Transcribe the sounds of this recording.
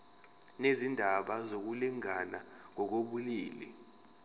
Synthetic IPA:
nezindʱaɓazok̬uliŋana | ŋɔk̬oɓuliːlɛ̰

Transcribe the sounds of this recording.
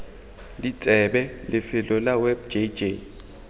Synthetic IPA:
lit͡sʼɛbɛlɪfɪlɔlawɛb̚d͡ʒed͡ʒe

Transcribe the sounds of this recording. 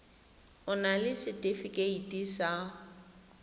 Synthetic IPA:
ʊnalɪsɪtʼɪfikʼeitʼisa

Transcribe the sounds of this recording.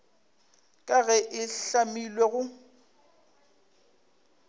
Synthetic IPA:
kʼaɣɛʔɪɬamilweɣʊ

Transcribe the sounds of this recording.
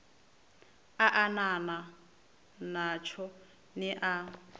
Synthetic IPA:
aʔanana | nat͡ʃʰɔ | nɪʔa

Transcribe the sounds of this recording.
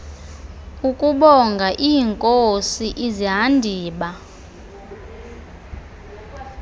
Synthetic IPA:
ukʼuɓɔŋɡʱaʔiːŋkʼosiʔiziɦandʱiːɓa

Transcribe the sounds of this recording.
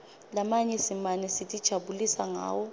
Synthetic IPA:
lamaɲɛsimanɛsitʼid̥ʒ̥ʱabulisaŋa̰ːwɔ

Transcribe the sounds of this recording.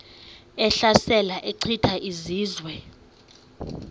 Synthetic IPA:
ɛɬasɛlaʔeǀʰitʰaʔiziːzwɛ

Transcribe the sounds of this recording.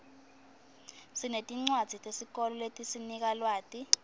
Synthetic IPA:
sinetʼiŋ͡ǀwad̥z̥ʱitʼesik̬ʼɔlɔletʼisinik̬alwaːtʼi

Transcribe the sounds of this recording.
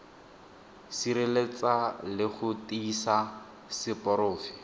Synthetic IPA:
siɾelet͡salɪχʊtiːsa | sɪpɔɾoːfɪ̥

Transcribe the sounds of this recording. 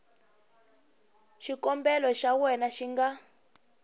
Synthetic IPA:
ʃikɔmbɛlɔʃawɛnaʃiŋɡa

